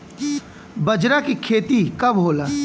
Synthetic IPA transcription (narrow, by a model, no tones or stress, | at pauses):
bɐd͡ʒɾakikʰeːt̪ikɐbɦoːlaː